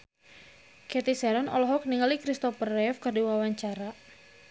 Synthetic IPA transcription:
kɛt̪isɛɾɔnɔ̰lɔɦɔk̚niŋalikɾist̪ɔfərɛfkərdiwawaɲt͡ʃaɾa

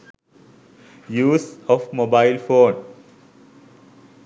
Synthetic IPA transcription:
juːsɔfmobaɪlfõːn

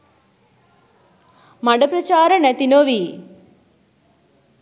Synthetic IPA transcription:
mɐɖɐpɾɐt͡ʃaːɾɐnɐt̪inoːʋi

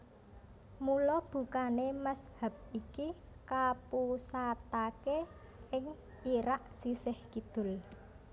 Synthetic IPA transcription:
mulɔb̥ṳkanemashə̤b̚ikikapusat̪ake | ɪŋ | iɾaʔsisɪhkid̪̥ʊ̤l

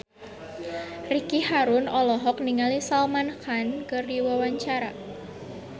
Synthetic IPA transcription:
rikihaɾʊnɔlɔɦɔk̚niŋalisalmanxankərdiwawaɲt͡ʃaɾa

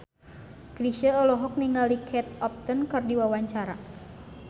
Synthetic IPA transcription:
kɾiʃəɔlɔɦɔk̚niŋalikʰɛt̪̚ɔp̚t̪ɔnkɨrdiwawaɲt͡ʃaɾa

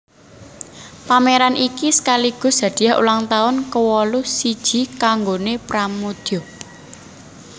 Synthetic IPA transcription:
pameɾanʔikisə̥kaliɡ̥ʊ̤sd̥ä̤d̪̥i̤jaɦṵlaŋt̪aʊnkəwɔlusid̥ʒ̥i̤kaŋɡonepɾamod̪̥o

